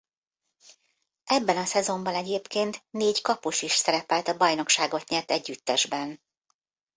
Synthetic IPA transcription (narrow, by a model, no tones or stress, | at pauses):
ʔɛbːɛnɒsɛzo̞mbɒnɛɟeːpkeːnt̪neːckɒpuʃiʃsɛɾɛpɛlt̪ɒbɒjno̞kʃaːɡo̞t̪ɲɛlt̪ɛɟːyt̪ːɛʒbɛn